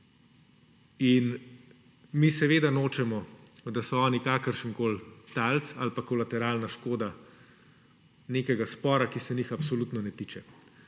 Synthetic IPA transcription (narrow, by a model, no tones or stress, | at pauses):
in | misɛʋeːd̪anoːt͡ʃɛmɔd̪asɔɔːnikaːkəɾʃəŋkoːlt̪alt̪salpakɔlat̪ɛɾaːlnaʃkoːd̪a | neːkɛɡaspɔːɾakisɛnixapsɔluːt̪nɔnɛt̪iːt͡ʃɛ